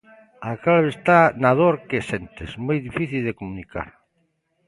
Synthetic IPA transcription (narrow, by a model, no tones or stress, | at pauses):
akalβest̪anaðoɾkesent̪esmojðifiθilðekomunikʰa̰ɾ